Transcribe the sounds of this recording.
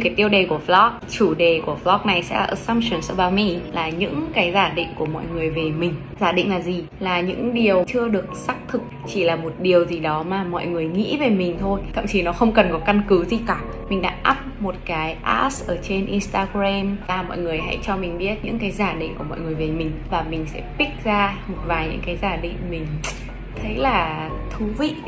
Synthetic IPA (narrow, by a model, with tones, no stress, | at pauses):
kaː˨˦jt̪i˧əwɗe˨˩ku˧˩əflɔ˦˥k̚t͡ɕu˧˩ɗe˨˩ku˧˩əflɔ˦˥k̚na˨˩jsɛ̰˧˥a˨ʔə˨˩sa˧msu˨˩nsə˧˩ɓaː˧˩mi˧laː˨˩ɲɨ̰˧˥ŋkaː˨˦jzaː˧˩ɗḭ̈˧˨ŋ̟ku˧˩əmɔ̰˧˨jŋɨ˨˩əjve˨˩mï˨˩ŋ̟ | zaː˧˩ɗḭ̈˧˨ŋ̟laː˨˩zi˨˩ | laː˨˩ɲɨ̰˧˥ŋɗi˨˩əwt͡ɕɨ˧əɗɨ˨˩ək̚sa˦˥k̚t̪ʰɨ˨˩k̚t͡ɕi˧˩laː˨˩mo˨˩t̚ɗi˨˩əwzi˨˩ɗɔ˨˦maː˨˩mɔ̰˧˨jŋɨ˨˩əjŋḭ˧˥ve˨˩mï˨˩ŋ̟t̪ʰo˧jt̪ʰa̰˧˨mt͡ɕi˨˩˦nɔ˨˦xə˧wŋ͡mkə˨˩nkɔ˨˦ka˧nkɨ˨˦zi˧˩kaː˧˩ | mï˨˩ŋ̟ɗa̰ː˧˥ʔaː˦˥p̚mo˨˩t̚kaː˨˦jʔa̰ː˦˥sʔəː˧˩t͡ɕe˧nʔi˧nst̪aː˧ɣɾɛ˧maː˨˩mɔ̰˧˨jŋɨ˨˩əjɦa̰˧˥jt͡ɕɔ˧mï˨˩ŋ̟ɓi˦˥ət̚ɲɨ̰˧˥ŋkaː˨˦jzaː˧˩ɗḭ˧ŋku˧˩əmɔ̰˧˨jŋɨ˨˩əjve˨˩mï˨˩ŋ̟vaː˨˩mï˨˩ŋ̟sɛ̰˧˥pi˦˥k̚zaː˧mo˨˩t̚vaː˨˩jɲɨ̰˧˥ŋkaː˨˦jzaː˧˩ɗḭ˧˨ŋ̟mï˨˩ŋ̟ | t̪ʰə˨˦jlaː˨˩t̪ʰu˨˦vḭ˧˨